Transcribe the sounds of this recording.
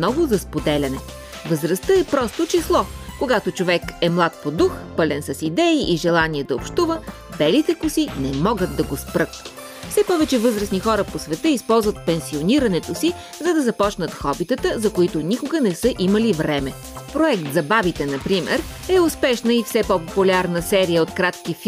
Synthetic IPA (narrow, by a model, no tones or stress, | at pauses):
nɔvʊzɐspod̪ɛlʲɐnɛ | vəzɾɐst̪əɛpɾɔst̪ot͡ʃislˠɔkoɡat̪ot͡ʃovɛkɛmlˠat̪̚pod̪uxpɤlʲɛnsɐsid̪ɛiʔiʒɛlˠaniɛd̪ɐopʃt̪uvə | b̥ɛlit̪ɛkʊsinɛmɔɡət̪̚d̪ɐɡospɾɤt̪̚ | fsɛpɔvɛt͡ʃɛvɤzɾəsnixɔɾəposvɛt̪əispɔlˠzvət̪̚pɛnsioniɾɐnɛt̪osi | zɐd̪ɐzɐpɔt͡ʃnət̪xɔbit̪ət̪əzɐkoit̪onikoɡənɛsəʔiməlivɾɛmɛ | pɾoɛkt̪zɐbavit̪ɛnɐpɾimɛ̰ɾ | ɛʊspɛʃnəifsɛpɔpopulʲaɾnəsɛɾijəot̪kɾat̪k̟ifi